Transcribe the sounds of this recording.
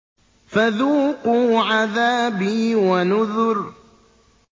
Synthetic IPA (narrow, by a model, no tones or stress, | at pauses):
faðuːqʊːʕaðaːbiːwanʊðʊɾ